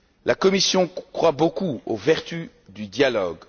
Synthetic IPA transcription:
lakɔmisjɔ̃kχwabokuovɛʁt̪y | d̪yd̪jalɔɡ

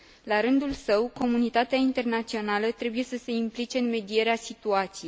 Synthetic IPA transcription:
laɾɨnd̪ulsəwko̞munit̪at̪eaint̪e̞rnat̪sio̞nalət̪ɾe̞buje̞səse̞implit͡ʃe̞ɨnme̞d̪ie̞ɾeasit̪uat̪sijejj

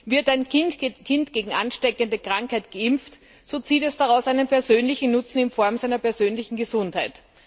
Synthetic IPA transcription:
vɪɐtæɪnkʰɪntɡ̥eːɡŋ̩ʔanʃtɛkəndəkʁ̥aŋkhæɪtɡ̥əʔɪmft | z̥oːt͡siːtɛsd̥aʁaʊsʔæɪnənpʰɛɐzøːnlɪçn̩nʊt͡sn̩ɪnfɔɐmzæɪnɐpɛɐzøːnlɪçn̩ɡəzʊnthaɪt

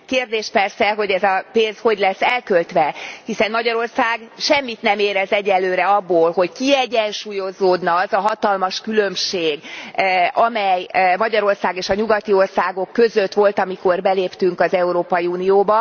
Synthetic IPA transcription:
keːrd̪eːʃpɛrsɛɦo̞ɟɛzɒpeːnzho̞ɟlɛsːɛlkølt̪ʋɛhisɛnmɒɟɒɾo̞rsaːɡʃɛmːit̪nɛmeːɾɛzɛɟɛlløːɾɛɒbːoːlɦo̞ckiɛɟɛnʃuːjo̞zoːd̪nɒɒzɒɦɒt̪ɒlmɒʃkylømʃeːɡ | ɒmɛjmɒɟɒɾo̞rsaːɡeːʃɒɲuɡɒt̪io̞rsaːɡo̞kːø̞zø̞t̪ʋo̞lt̪ɒmiko̞rbɛleːpt̪yŋkɒzɛuɾoːpɒjiuːnijoːbɒ

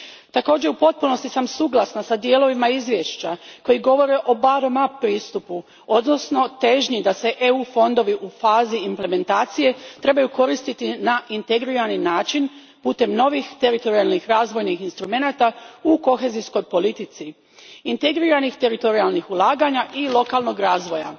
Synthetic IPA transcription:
t̪ako̞ːd͡ʑe̞upo̞t̪̚puno̞st̪isamsuːɡlˠasnasad̪jeːlo̞ʋimaizʋje̞ʃt͡ɕako̞jiɡo̞ʋo̞ɾe̞ʔo̞baɾomapɾiːst̪upu | o̞d̪no̞sno̞t̪e̞ʒɲid̪ase̞ʔeufo̞nd̪o̞ʋiʔufaːziːmple̞me̞nt̪aːt̪sije̞t̪ɾe̞bajuko̞ɾist̪it̪inaʔint̪eɡɾiɾaninaːt͡ʃin | puːt̪e̞mno̞ʋixt̪eɾit̪o̞ɾialˠnixɾaːzʋo̞jnixinst̪ɾume̞nat̪auko̞xe̞zisko̞jpo̞lit̪it̪si | int̪eɡɾiɾanixt̪e̞ɾit̪o̞ɾialˠnixulˠaːɡaɲaʔilˠo̞kalˠno̞ɡɾaːzʋo̞ja̰

